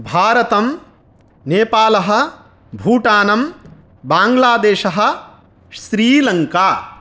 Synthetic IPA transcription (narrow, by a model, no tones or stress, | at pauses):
bʱaːɾɐt̪ɐm | neːpaːlɐɦɐ̆ | bʱuːʈaːnɐm | baːŋɡlaːd̪eːʃɐɦɐ̆ | ʃɾiːlɐŋkaː